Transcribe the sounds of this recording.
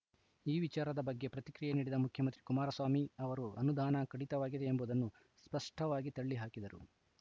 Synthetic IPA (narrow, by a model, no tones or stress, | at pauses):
iːʋit͡ʃaːɾɐd̪ɐbɐɡːe̞pɾɐt̪ikɾijeniːɽid̪ɐmukʰjɐmɐnt̪ɾikumaːɾɐsʋaːmiɐʋɐɾuɐnud̪ʱaːnɐkɐɽit̪ɐʋaːɡid̪e̞ːmbuːd̪ɐnːu | spɐʂʈɐʋaːɡit̪ɐɭːiɦaːkid̪ɐɾṵ